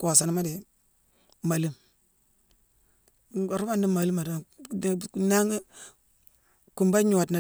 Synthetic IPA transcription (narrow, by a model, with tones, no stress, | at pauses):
ko˨sa˨ni˦ma˦di˨ | ma˨li˦m | a˨ɾu˦ba˦˨ndi˦ma˨li˦ma˨do˦˨ | na˦ŋ˦ | ku˨mba˦ɲu˨wa˨tna˨